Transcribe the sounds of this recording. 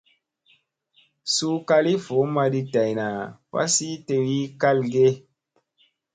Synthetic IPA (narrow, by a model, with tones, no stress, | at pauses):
su˦ka˧li˦fo˨˦ma˧di˧ta˨jna˨wa̰˦si˦te˧wi˦ka˦lɡe˦